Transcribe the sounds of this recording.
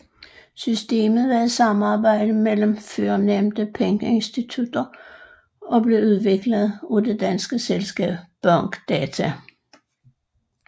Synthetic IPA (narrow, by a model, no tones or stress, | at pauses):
sysd̥e̝̰ːmð̩ˠʋææð̩ˠsɑ̈mɑ̈ːb̥ɑ̈ɪ̰d̥əmelm̩føɐnemd̥əpʰeŋɡ̥əe̝nsd̥it͡sʰud̥ɐ | ɒ̽b̥le̝uð̞ˠʋe̝ɡ̥ləð̩ˠud̥e̝d̥ænsɡ̥əselsɡ̥ɛ̰ːb̥b̥ɒŋ̰ɡ̥d̥ɛːt͡sʰæ